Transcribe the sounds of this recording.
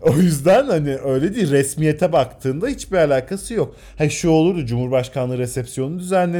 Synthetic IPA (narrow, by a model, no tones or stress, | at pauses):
o̞jyzd̪ænhaniʔø̞jlʲed̪iːɾɛsmije̞t̪ʰɛbakt̪ʰɯːnd̪ahit͡ʃbialʲaːkʰasɯjo̞k | haʃuo̞lˠuɾd̪ud͡ʒumhuɾbaʃkʰanˠɯːɾesɛpsjo̞nund̪yzænlʲe